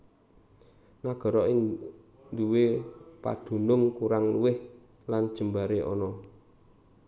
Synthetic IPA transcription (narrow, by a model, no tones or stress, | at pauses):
naɡ̥ɔ̤ɾɔʔɪŋ | duwepa̰d̪̥ṳnʊŋkuɾaŋluwɪh | land̥ʒ̥ə̤mbaɾeʔɔ̰nɔ